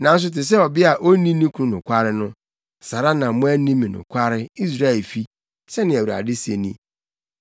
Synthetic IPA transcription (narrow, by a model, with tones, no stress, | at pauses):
nã˨n̩˦s̬ʊ˦t̬ɪ˨s̬ɛ˦ɔ˨bɪ˦a˨ʔo˦nĩ˦nĩ˦kʰũ˦nʊ̃˨kʷʰa˦ɾɪ˦nʊ̃˦ | sa˨ɾa˦nã˨mʊ̃˦æ˦nĩ˦mĩ˨nʊ̰̃˨kʷʰa˦ɾɪ˦i˦s̬ɾa˦e˨lfi˦ | sɛ˦nɪ̃˨æ˨wu˨ɾa̰˨dɪ˦se˨nḭ̃˦